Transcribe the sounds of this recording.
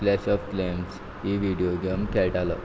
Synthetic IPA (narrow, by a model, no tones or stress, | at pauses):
lɛɕɔfklems | iʋiɖijoɡemkɛlʈalə̰